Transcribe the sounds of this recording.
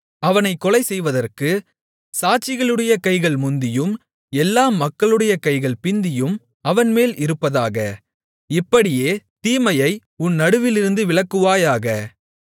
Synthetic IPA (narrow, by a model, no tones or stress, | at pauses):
ɐʋɐnɐɪkːɔlɐɪsɛjʋɐðɐrkɯ | saːt͡ʃːɪɣɐɭɯɽɐjɐkɐɪɣɐɭmʊnd̪ɪjɯm | ɛlːaːmɐkːɐɭɯɽɐjɐkɐɪɣɐɭpɪnd̪ɪjɯm | ɐʋɐnmeːlʔɪɾɯpːɐðaːɣɐ | ɪpːɐɽɪjeːt̪iːmɐjɐɪ | ʊnːɐɽɯʋɪlɪɾɯnd̪ɯʋɪɭɐkːɯʋaːjaːɣɐ